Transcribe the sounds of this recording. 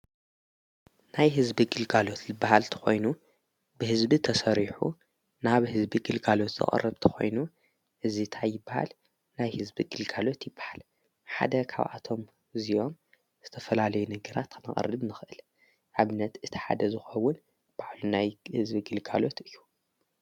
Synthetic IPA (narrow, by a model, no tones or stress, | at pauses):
najɦɨzbiɡɨlɡalo̞t̪zɨbːaɦalt̪ʰɨ̥xo̞jnu | bɨhɨzbit̪ʰɐsɐɾiħṵ | naβhɨzbiɡɨlɡalo̞t̪z̥ɨ̰χʼɐ̰rːɐβt̪ʰɨ̥xo̞̰jnu | ʔɨzit̪ʰajɪbːaha̰l | najhɨzbiɡ̥ɨlɡalo̞t̪jɪbːḁhal | ħa̰d̪ɐkʰa̰βʔa̰t̪ʰo̞m | ɨzijo̞m | z̥ɨt̪ʰɐfɐlalɐjunɨɡɐɾat̪kʰɨnɨ̰χʼɐ̰rɨβnɨxʔɨl | ʔaβɨnːɐt̪ʔɨt̪ʰi̥ħa̰d̪ɐzɨxɐwːʊn | b̥aʕlunajhɨzbiɡɨlɡalo̞t̪ɨjːu